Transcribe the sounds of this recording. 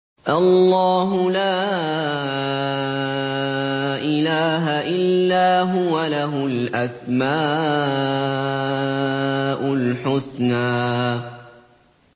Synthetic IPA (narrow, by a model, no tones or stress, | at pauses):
ʔalːɑːɦʊlaː | ʔɪlaːɦaʔɪllːaːɦʊwalaɦʊlʔasmaː | ʔʊlħʊsnaː